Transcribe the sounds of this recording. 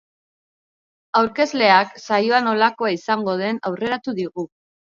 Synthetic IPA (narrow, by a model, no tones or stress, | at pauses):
awɾke̞zle̞aksajo̞ano̞lako̞aisaŋɡo̞ð̞e̞nawre̞ɾat̪uðiɣu